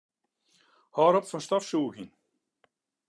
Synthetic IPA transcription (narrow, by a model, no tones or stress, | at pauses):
hɔːɾɔpfɔnst̪ɔfsuːɣin